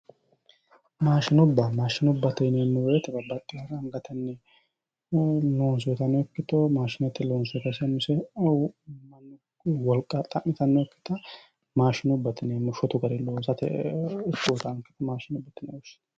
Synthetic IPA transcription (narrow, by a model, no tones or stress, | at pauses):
maːʃɪnʊbːɐmaːʃɪnɔbːɐt̪ɛneːnːɛwɔjɛt̪ɛbɐbɐt̪ʼːɪjɐɾɐŋɡɐt̪ʰɛnːɛ | loːns̬ɔt̪ɐnɛɔkːɪt̪ɔmaːʃɪnɐt̪ːɪloːnsʊt̪ɐsɛmʊsɛ | mɐnː | wɔlkʼːɐt̪ʼɐʔɪt̪ɐnːɛɔkːɪ̥t̪ɐ | maːʃɪnʊbːɐt̪ɪnemʊʃɔt̪ʊɡɐɾɪloːsɐt̪ɛ̰ɪkːuːt̪ɐŋkːɪ̥t̪ɐmaːʃɪnʊbːɐt̪ːɪnɛɔʃɪ̥t̪